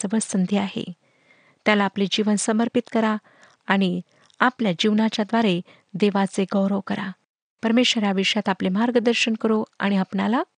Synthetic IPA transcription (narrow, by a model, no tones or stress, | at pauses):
əʋəɭsənd̪ʱiaɦḛ | t̪jalaːplid͡ʑiʋənsəməɾpit̪kəɾaː | ɽ̃i | apljad͡ʑiʋnat͡ɕjad̪ʋaɾe | d̪eʋat͡seɡəwɾəʋkəɾa̰ | pəɾmeɕəɾaʋiʂjat̪aplemaɾɡəd̪əɾɕənkəɾoa̰ɽ̃iapɳala